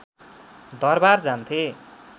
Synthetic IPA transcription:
d̪ʌrbard͡zant̪ʰe

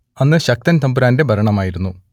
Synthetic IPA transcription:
ɐnːɨɕɐk̚t̪ɐnt̪ɐmbuɾaːnde̞bʱɐɾɐɳɐmaːjiɾunːu

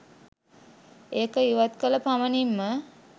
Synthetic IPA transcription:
eːkəiʋat̪kələpamənimːə

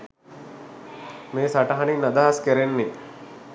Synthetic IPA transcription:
meːsaʈɐɦaninːad̪ɐɦaskeɾenːei

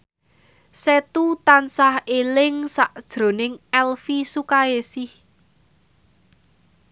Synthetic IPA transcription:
set̪ut̪ansahelɪŋsaʔd̥ʒ̥ɾo̤nɪŋɛlfisukajesɪh

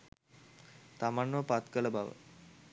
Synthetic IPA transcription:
t̪amanʋəpat̪kələbaʋə̰

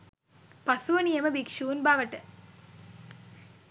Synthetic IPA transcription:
pɐsuʋɐnijɐməbikʂuːnbaːʋəʈə

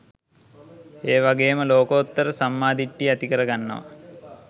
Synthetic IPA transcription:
eːʋaɡejməloːkot̪ːɐɾəsamːaːd̪iʈːiɐt̪ikəɾɐɡanːɐ̰ʋa̰

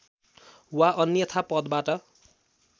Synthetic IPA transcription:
waʔʌnjʌt̪ʰapʌd̪baʈʌ

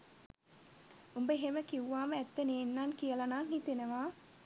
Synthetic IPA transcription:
umbəɦeməkiʋʋaːməɛt̪ːeneːnːaːnkijəlɐnaːnɦit̪enəʋaː

